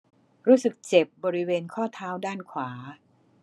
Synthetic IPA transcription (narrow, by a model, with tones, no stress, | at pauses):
ɾuː˦˥sɯ˨˩k̚t͡ɕe˨˩p̚bɔː˧ɾi˦˥weː˧nkʰɔː˥˩t̪ʰaː˦˥wdaː˥˩nkʰwaː˩˦